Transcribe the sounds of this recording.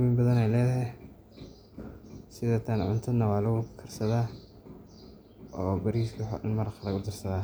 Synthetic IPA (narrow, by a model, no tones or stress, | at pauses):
wimbɐðɐnɛjlɛːðɐɦɛ | sɪðɔt̪ʰaːnʕʊ̰nt̪ʰɐd̪nɐwɑːlɐɣʊkʰɐrsɐðaː | ɔːbɐɾiskħɔ̰ɪnmɐɾɐχɐlɐɣʊd̪ɐrsɐðaː